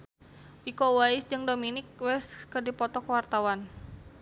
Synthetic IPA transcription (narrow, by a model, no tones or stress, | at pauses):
ʔikɔwaisd͡ʒɨŋdominɪk̚wɛskɨrdipɔt̪ɔkəwart̪awan